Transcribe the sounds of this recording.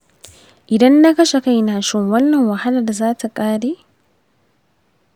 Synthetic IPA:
ʔɪ˨dɐ˦nːa˦kɐ˦ʃe˨ka˦jnaː˨ʃɪ˦˨ŋwɐ˦nːɐ˨ŋwɐ˨ha˦lɐ˨rda˨zaː˦tʰa˨kʼaː˦ɽeː˦

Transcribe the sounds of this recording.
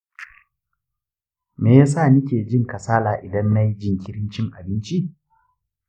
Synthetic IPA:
meː˨jaː˦s̬a˦˨nɪ˦kʲeː˨d͡ʒɪ˦ŋkɐ˨saː˦laː˨ʔɪ˨dɐ˦nːa˦jd͡ʒɪ˦˨ŋkʲɪ˦ɽɪ˦nt͡ʃɪ˦ŋʔa̰˨bɪ˦nt͡ʃi˦

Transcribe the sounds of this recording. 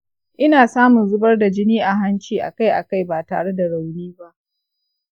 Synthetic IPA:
ʔɪ˦naː˨saː˦mʊ˨nzʊ˦bɐ˦rda˨d͡ʒɪ˦niː˦ʔa˨ɦa˦nt͡ʃiː˨ʔa̰˨ka˦jʔa̰˨ka˦˨jbaː˨ta̰ː˨ɽe˦da˨ɽa˨wniː˦ba˦ʔ

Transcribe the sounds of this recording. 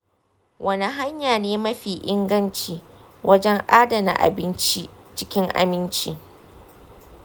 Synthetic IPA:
wʔɐ˦ni˨ɦa˦ɲjaː˨neː˦mɐ˦ɸiː˨ʔɪ˦ŋɡɐ˦nt͡ʃiː˦˨ | wʔɐ˦d͡ʒɛ˦ŋʔaː˦dɐ˨na̰˨ʔa̰˨bɪ˦nt͡ʃi˦t͡ʃɪ˦kʲɪ˦ŋʔa̰˨mɪ˦nt͡ʃi˦

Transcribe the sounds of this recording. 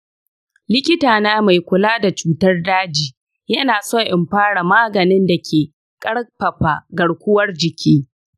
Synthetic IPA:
lɪ˦kʲɪ˦taː˨naː˦ma˨jkʷʊ˨laː˦da˨t͡ʃuː˦tɐ˦rdaː˦d͡ʒiː˨ | jɐ˦naː˨soː˦ʔɪ˨mɸaː˦ɽa˨maː˦ɡɐ˨nɪ˦nda˨kʲʰeː˨ | kʼɐ˦ɽpɐ˨ɸaː˨ɡɐ˨ɽkʷʊ˦wɐ˦rd͡ʒɪ˨kʲiː˦

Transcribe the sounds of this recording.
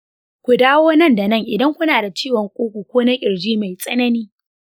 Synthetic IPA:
kʷu˨daː˦woː˦nɐ˦˨nda˨nɐ˦˨ŋʔɪ˨dɐ˦ŋkʷʊ˦naː˨da˨t͡ʃiː˦wɔ˨ŋkʷʼoː˦kʷu˨kʷoː˦na˦kʲʼɪ˨ɽd͡ʒiː˦ma˨jsʼɐ˦nɐ˦niː˦

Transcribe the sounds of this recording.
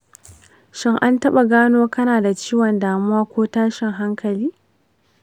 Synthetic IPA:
ʃɪ˦ŋʔa˦ntɐ˦ɓa˨ɡaː˦noː˦kɐ˦naː˨da˨t͡ʃiː˦wɔ˨ndaː˨mu˦aː˦kʷoː˦taː˦ʃɪ˨ŋɦa˦ŋkʰɐ˨liː˦

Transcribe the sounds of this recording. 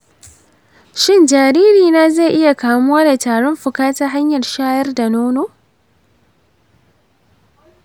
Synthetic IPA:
ʃɪ˦nd͡ʒaː˨ɾiː˦ɾiː˨naː˦ze˦˨ʔɪ˦ja˨kaː˨mʊ˦waː˦da˨taː˨ɽɔ˦mɸʊ˨kaː˦ta˦ɦa˦ɲjɐ˨rʃaː˦jɐ˦rda˨noː˦noː˦

